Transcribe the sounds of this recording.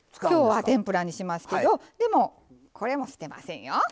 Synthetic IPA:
kʲo̞ːβat̪ẽ̞mpɯ̟ɾaɲ̟iɕimasɨ̥ked̪o̞d̪e̞mo̞ | kʰo̞ɾe̞mo̞ɕɨ̥t̪e̞ma̰sẽ̞ɰ̃jo

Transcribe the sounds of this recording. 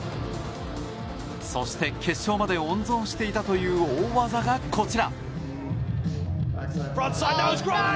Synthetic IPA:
so̞ɕi̥t̪e̞kʲʰe̞ɕːo̞ːmad̪e̞õ̞nzõ̞ɰ̃ɕi̥t̪e̞it̪at̪o̞jɯ̟ːoːβazaɡakʰo̞t͡ɕiɾa | fɹʌ̃nt̪saɪdawzɡɹa

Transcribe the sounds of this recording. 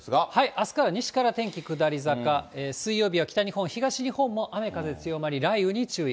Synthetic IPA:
ahaiʔasɨ̥kaɾaɲ̟iɕi̥kaɾat̪ẽ̞ŋkʲikɯ̟d̪aɾʲizakaeːsɨijːo̞ːbʲiβakʲi̥t̪aɲ̟ihõ̞ɰ̃çiɡaɕiɲ̟ihõ̞mːo̞ʔame̞kaze̞t͡sɨjo̞maɾʲiɾaiɯ̟ɲ̟it͡ɕɨː

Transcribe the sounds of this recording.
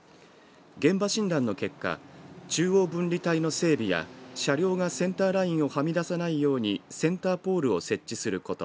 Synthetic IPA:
ɡẽ̞mbaɕĩnd̪ãnːo̞ke̞kːa̰t͡ɕɨːo̞ːbɯ̟̃nɾʲit̪aino̞se̞ːbʲija̰ɕaɾʲjo̞ːɡasẽ̞nt̪aːɾaĩɰ̃o̞hamʲid̪asanaijo̞ːɲ̟isẽ̞nt̪aːpo̞ːɾɯ̟o̞se̞t͡ɕːisɨɾɯ̟ko̞t̪o

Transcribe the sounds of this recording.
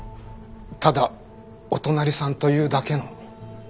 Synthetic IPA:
t̪ad̪a | ot̪o̞naɾʲisãnt̪o̞jɯ̟ːd̪ake̞no̞

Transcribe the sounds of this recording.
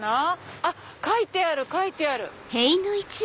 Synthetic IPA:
naa | kait̪e̞aɾɯ̟kait̪e̞aɾɯ̟̰ | heinɯit͡ɕi

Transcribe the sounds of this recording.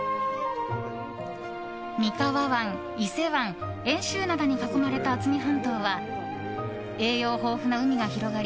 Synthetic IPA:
mʲikaβaβãŋ | ise̞βãŋ | ẽ̞ɰ̃ɕɨːnad̪aɲ̟ikako̞maɾe̞t̪aːt͡sɨmʲiɦãnt̪o̞ːβa | e̞ːjo̞ːɦo̞ːɸɯ̟naɯ̟mʲiɡaçiɾo̞ɡaɾʲi

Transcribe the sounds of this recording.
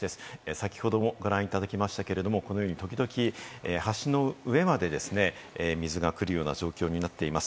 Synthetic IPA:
d̪e̞sɨ̥sakʲi̥ho̞d̪o̞mo̞ɡoɾãɰ̃it̪ad̪akʲimaɕi̥t̪ake̞ɾe̞d̪o̞mo̞kono̞joːɲ̟it̪okʲid̪o̞kʲiehaɕino̞ɯ̟e̞mad̪e̞d̪e̞sɨne̞ | mʲizɨɡakɯ̟ɾɯ̟jo̞ːna̰ʑo̞ːkʲo̞ːɲ̟inat̪ːe̞imasɨ̥

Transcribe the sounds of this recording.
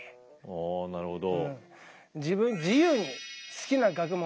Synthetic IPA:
onaɾɯ̟hod̪oɯ̃ | d͡ʑiβɯ̟̃ɲd͡ʑijɯːɲ̟isɨ̥kʲinaɡakɯ̟mo

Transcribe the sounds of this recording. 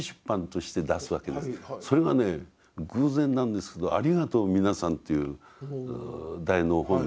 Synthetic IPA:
ɕɨ̥pːãnt̪o̞ɕi̥t̪e̞d̪asɨβake̞d̪sso̞ɾe̞ɡane̞ | ɡɯːzẽ̞nːãnd̪e̞sɨ̥ke̞d̪oa̰ɾʲiɡat̪o̞ːmʲinasãnt̪ːe̞jɯ | d̪ainoɦõ̞n

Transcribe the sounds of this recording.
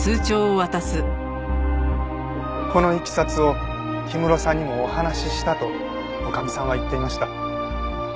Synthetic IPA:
sɨːt͡ɕo̞ːβat̪asɨ | ko̞no̞ikʲi̥sat͡sɨo̞ | çimɯ̟ɾo̞sãɲ̟ːimo̞ːhanaɕiɕi̥t̪at̪o̞ | okamʲisãβait̪ːe̞imaɕi̥t̪a

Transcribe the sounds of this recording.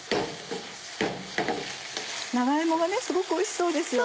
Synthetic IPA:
naɡaemoɡane̞sɨɡo̞kɯoiɕi̥so̞ːd̪e̞sɨjo

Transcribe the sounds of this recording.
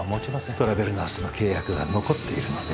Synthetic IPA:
mot͡ɕimast̪o̞ɾabe̞ɾɯ̟nasono̞kʰe̞ːjakɯ̟ɡa̰no̞ko̞t̪ːe̞iɾɯ̟no̞d̪e̞

